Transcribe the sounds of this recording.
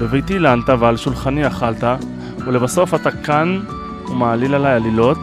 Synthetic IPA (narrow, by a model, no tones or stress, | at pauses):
bevejt̪ilant̪avealʃulχaniaχalt̪a | ulebaso̞fatakan | umaːlilalajalilo̞t